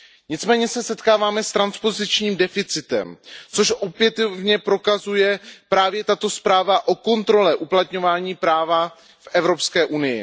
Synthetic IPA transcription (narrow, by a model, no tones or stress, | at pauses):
ɲɪt͡smɛːɲɛsɛsɛt̪kaːvaːmɛst̪ɾanspo̞zɪt͡ʃɲiːmdɛfɪt͡sɪt̪ɛ̰mt͡so̞ʃʔo̞pjɛt̪ovɲɛpɾo̞kazujɛpɾaːvjɛt̪at̪o̞spɾaːvaʔo̞ko̞nt̪ɾo̞lɛʔuplat̪ɲo̞vaːɲiːpɾaːva | fʔɛvɾo̞pskɛːʔunɪjɪ̰